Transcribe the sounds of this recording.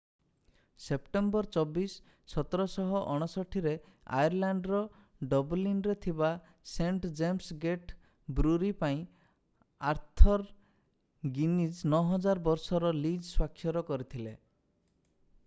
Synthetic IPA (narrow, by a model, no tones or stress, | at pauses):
sepʈembɔɾt͡ʃɔbisː | ɔt̪ɔɾɔsɔɦɔʔɔɽ̃ɔsɔʈʰiɾe | a̰jɔɾlaɳɖɾɔ | ɖɔbɔlinɾet̪ʰiba | seɳʈd͡ʒemsɡeʈ | bɾuɾipaĩ | aɾt̪ʰɔɾ | ɡinid͡ʒnɔɦɔd͡ʒaɾbɔɾsɔɾɔlid͡ʒswakʰːjɔɾɔkɔɾit̪ʰile